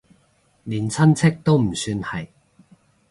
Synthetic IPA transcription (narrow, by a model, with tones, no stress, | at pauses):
liː˨˩nt͡sʰɐ˥nt͡sʰɪ˥k̚t̪o˥wm̩˨˩syː˧nhɐ˨j